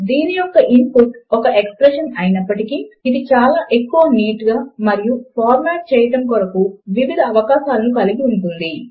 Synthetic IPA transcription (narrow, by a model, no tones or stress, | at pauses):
d̪iːnijɔkːɐʔimpuʈɔkɐʔekspɾeʂɐnɐjinɐpːɐʈikiːd̪it͡ʃaːlaːʔe̞kːuʋɐniːʈɡaːmɐɾijupʰaːɾmaːʈ̚t͡ʃɛːjɐʈɐmkɔɾɐkuʋiʋid̪ʱɐːʋɐkaːʃaːlɐnukɐliɡiuɳʈund̪i